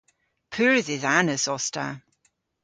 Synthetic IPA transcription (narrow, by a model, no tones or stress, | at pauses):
pʰʉːɹzɪzanəsɔsta̰